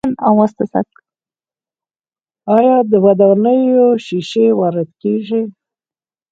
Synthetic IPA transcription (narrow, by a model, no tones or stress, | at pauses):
nawwast̪asa̰k | ɑjɑd̪əwad̪awnəjoʃiʃewaɾɪt̪keʐi